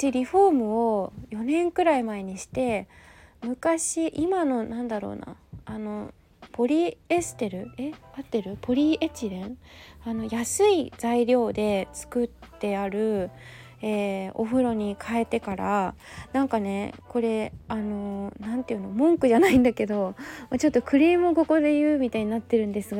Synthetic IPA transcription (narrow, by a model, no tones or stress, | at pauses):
t̪eɾʲiɸo̞ːmɯ̟o̞jo̞nẽ̞ŋkɯ̟ɾaimae̞ɲ̟iɕi̥t̪e̞mɯ̟kaɕiʔimano̞nãnd̪aɾo̞̰ːna̰ːno̞ | po̞ɾʲiesɨ̥t̪e̞ɾɯ̟e̞at̪ːe̞ɾɯ̟pʰo̞ɾʲiet͡ɕiɾẽano̞jasɨid͡zaiɾʲjo̞ːd̪e̞t͡sɨ̥kɯ̟t̪ːe̞aɾɯ̟ | eːo̞̰ɸɯ̟ɾo̞ɲ̟ikʰae̞t̪e̞kaɾanãŋkane̞ko̞ɾe̞ano̞nãnt̪e̞jɯ̟nomõ̞ŋkɯ̟ʑanaĩnd̪ake̞d̪o̞moːt͡ɕo̞t̪ːo̞kɯ̟ɾʲiːmɯoɡo̞ko̞d̪e̞jɯ̟ːmʲit̪aiɲ̟inat̪ːe̞ɾɯ̟̃nd̪e̞sɨɡa